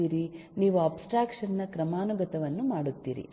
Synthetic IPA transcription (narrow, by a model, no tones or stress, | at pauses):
iːɾiniːʋuaːpsʈɾaːkʂɐnːɐkɾɐmaːnuɡɐt̪ɐʋɐnːumaːɽut̪ːḭːɾḭ